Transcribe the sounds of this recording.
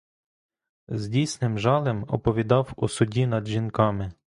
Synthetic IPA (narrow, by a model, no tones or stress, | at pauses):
zdʲijsnɪmʒɑlˠɛmɔ̰pɔʋʲid̪ɑwusʊdʲinɐd̪ʒʲinkɑmɪ